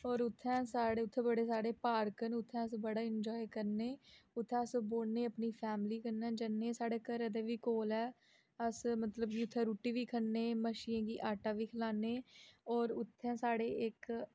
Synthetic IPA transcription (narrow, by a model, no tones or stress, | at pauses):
ɔːɾʊt̪ʰːɛ̃ːsaːɽeːʊt̪ʰːẽːbəɽeːsaːɽeːpaːɾkənʊt̪ʰːɛ̃ːəsbəɽaːɪnd͡ʒɔːikəɾneːʊt̪ʰːɛ̃ːəsboːneːəpniːpʰɛːmliːkəɾnɛ̃ːd͡ʒənːẽːsaːɽeːkəɾed̪eːʋiːkoːlɛː | əsmət̪ləbkiːʊt̪ʰːɛ̃ːɾuːʈːiːʋiːkʰəneːməʃiːãːɡiːʔaːʈaːʋiːkʰəlaːneːɔːɾʊt̪ʰːɛ̃ːsaːɽeːɪk